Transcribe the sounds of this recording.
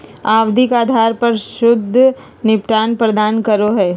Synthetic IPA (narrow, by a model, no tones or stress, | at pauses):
aːwd̪ʱɪkaːd̪ʱaːɾpɐɾʃʊd̪ʱː | nɪpʈaːnpɾɐd̪aːnkɐɾoɦɛː